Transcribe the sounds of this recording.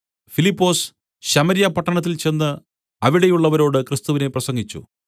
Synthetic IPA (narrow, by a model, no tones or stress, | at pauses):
filipːo̞ːs | ɕɐmɐɾjɐpɐʈːɐɳɐt̪̬ːilt͡ɕe̞nːɨ | ɐʋiɽejuɭːɐʋɐɾo̞ːɽɨkrɨst̪uʋine̞prɐsɐŋɡit͡ɕːṵ